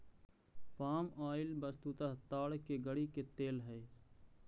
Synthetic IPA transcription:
paːmaːɪlbəst̪ut̪aːt̪aːɽkeɡəɽiket̪eːlɦɛː

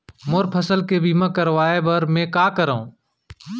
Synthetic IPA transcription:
moːɾpʰəsəlkeːbiːmãːkəɾʋaːeːbəɾmẽːkaːkəɾaõː

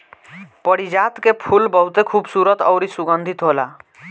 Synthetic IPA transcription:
pəɽid͡ʒat̪kepʰulbɔɦut̪ekʰubsuɾət̪ɔwɾisuɡənd̪ʱit̪ɦola̰

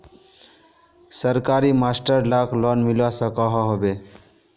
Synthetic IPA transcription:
səɾkaɾimasʈəɾlaklɔnmilasəkɔɦɔɦobe

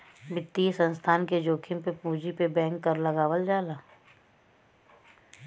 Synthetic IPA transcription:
bɪt̪ːisə̃nst̪ʰaːnked͡ʒoːkʰɪ̃mpepuːd͡ʒipebɛ̃ːŋɡːəɾlɐɡaːwəld͡ʒaːlaː

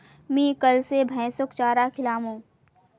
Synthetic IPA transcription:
mĩːkəlsebʱɛ̃ːsʊkt͡ʃaːɾaːkʰɪlaːmõː

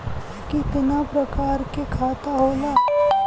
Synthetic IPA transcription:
kit̪ɪnapɾɐkaːɾkekʰaːt̪aɦoːlaː

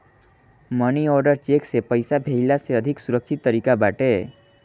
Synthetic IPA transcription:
mʌnioɾɖʌrt͡ʃeksepʌjsabʱeilaseʌd̪ʱiksuɾʌk̚t͡ʃʰit̪ːʌɾikabaʈe

